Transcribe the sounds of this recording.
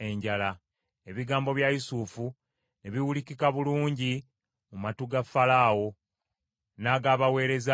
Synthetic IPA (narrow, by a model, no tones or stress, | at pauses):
e̞ɲɟala | e̞βiɡaːmbo̞βjajisuːfu | neβiwulikikaβuluːɲɟi | mumatuɡafalaːwo̞ | naɡaːβawe̞ːɾe̞za